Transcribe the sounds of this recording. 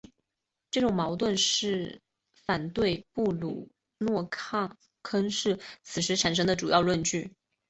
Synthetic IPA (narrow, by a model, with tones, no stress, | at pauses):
ʈ͡ʂɤ˥˩ʈ͡ʂʊ˨˩ŋmɑ˧˥ʊt̪wə˥˧nʂɻ̩˥˩ | fa˨˩nt̪we˥˧ɪpu˥˩lu˨˩ | nwɔ˥˧kʰɑ˥˩ŋ | kʰə˥ŋʂɻ̩˥˩t͡sʰɹ̩˨˩ʂɻ̩˧˥ʈ͡ʂʰa˨˩nʂ̬ɤ˥ŋd̪ə˨˧ʈ͡ʂu˨˩jɑ˥˧ʊlwə˥˧nt͡ɕy˥˩